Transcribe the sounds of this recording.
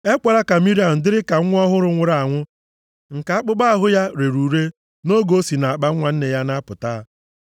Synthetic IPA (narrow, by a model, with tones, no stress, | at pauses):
e˦kʷa˨ɾa˦ka˨mi˦ɾi˦a˨n̩˨dɪ˦ɾɪ˦ka˨˦ʊ˦ɔ˦ɦʊ˦ɾʊ˦ŋʷʊ˦ɾa˨a˨ŋʷʊ˦ | ŋ̩˨ka˨a˦k͡pʊ˦ɡ͡ba˦˨ɦʊ˦ja˦ɾe˨ɾuː˨ɾe˦ | no˦ɡo˦si˨na˨a˨k͡pa˦ŋʷa˨n̩˦ne˨ja˦na˦pʊ˨taː˦